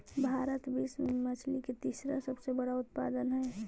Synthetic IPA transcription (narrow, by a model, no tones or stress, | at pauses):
bʱaːɾət̪bismət͡ʃʰliket̪isɾasəbsebəɽaʊt̪̚pa̰ːd̪ənɦɛ